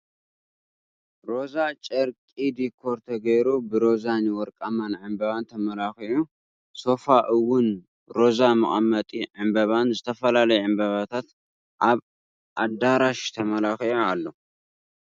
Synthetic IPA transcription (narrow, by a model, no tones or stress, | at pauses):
ɾo̞zat͡ʃʼɐɾkʼid̪ikʰoɾt̪ʰɐɡɐjɾubɨɾo̞zaniwɔɾkʼamanʕɨmbɐβant̪ʰɐmɐlaxiʔu | so̞faʔɨwːʊn | ɾo̞zamɨ̰χʼɐmːɐt̪ʼiʕɨmbɐβanzɨt̪ʰɐfɐlalɐjɛʕɨmbɐβat̪ʰat̪ | ʔaβ | ʔad̪aɾaʃt̪ʰɐmɐlaxiʔualːo